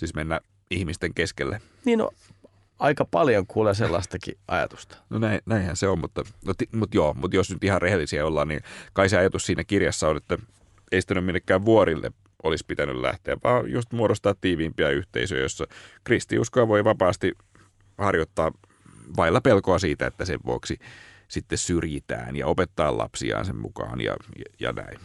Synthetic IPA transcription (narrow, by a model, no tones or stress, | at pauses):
t̪ismenːæ | ihmist̪eŋkeskelːe | niːno̰ | ɑikɑpɑljoŋkuːleselːɑst̪ɑkḭʔɑ̰jɑ̰t̪u̥st̪ɑ̥nonæinnæihænseommut̪ːɑnot̪imut̪joːmut̪josnyt̪ihɑrrehelːisiæolːɑːnnḭkɑiseɑjɑt̪ussiːnækirjɑsːɑonet̪ːæ | eisi̥t̪ænymilːekːæːʋʋuoɾilːḛ | ʔolispit̪ænyllæ̰ht̪eæʋʋɑːjust̪muoɾost̪ɑːt̪tːiːʋiːmpiæyht̪ḛisø̰ːjosːɑkrist̪ḭuskojɑʋoiʋɑpɑːst̪i | hɑrjot̪ːɑː | ʋɑilːɑpelkoɑsiːt̪æḛt̪ːæsḛʋʋuoksi | sit̪ːessyrjit̪æ̰ːnjɑ̰opet̪ːɑːlʔɑ̰psḭɑ̰ːnsemmṵkɑ̰ːnjɑ̰jɑ̰næ̰in